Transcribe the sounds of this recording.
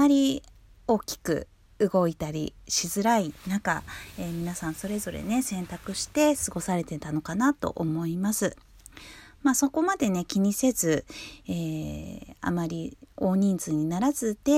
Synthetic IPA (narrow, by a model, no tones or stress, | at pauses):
maɾʲi | o̞ːkʲi̥kɯ̟̰ | ɯɡo̞it̪aɾʲḭɕizɨɾainãka̰e̞ːmʲinasãɰ̃so̞ɾe̞zo̞ɾe̞̰ne̞sẽ̞nt̪akɯ̟ɕi̥t̪e̞sɨɡo̞saɾe̞t̪e̞t̪ano̞kanat̪o̞̰ʔomo̞imasɨ | maːso̞ko̞mad̪e̞ne̞kʲiɲ̟ise̞zɨeː | a̰maɾʲio̞ːɲ̟ĩnzɨɲ̟inaɾazɨt̪e̞